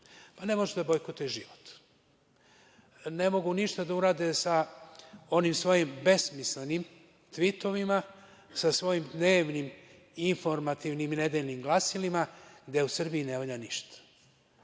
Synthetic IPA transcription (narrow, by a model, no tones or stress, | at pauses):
pane̞mo̞ʒd̪abojkot̪eʒiʋot̪ | ne̞mo̞ɡuniʃt̪ad̪auɾaːd̪esa | o̞nimsʋo̞jimbe̞smislenim | t̪ʋit̪o̞ʋima | sasʋo̞jimd̪neːʋnim | info̞ɾmat̪iʋnimine̞d̪eʎnimɡlˠasilimaɡd̪e̞usɨr̩biine̞ʋoʎaniʃt̪ḁ